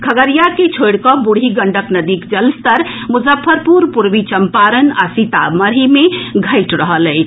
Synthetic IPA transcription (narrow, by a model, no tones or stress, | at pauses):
kʰəɡəɾijaket͡ʃʰoɽkɔbuɽ̤ʱiɡəɳɖəknəd̪ikd͡ʒəlst̪əɾmuzəpʰːəɾpuɾpuɾbit͡ʃəmpaɾəna̰sit̪a̰məɾɦimeɡʱəɪʈɾəɦələɪt͡ʃʰ